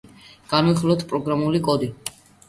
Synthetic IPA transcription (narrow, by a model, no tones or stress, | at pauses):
ɡ̥anwiχlˠɔt̪ʰpʼɾɔɡɾamulikʼɔd̪i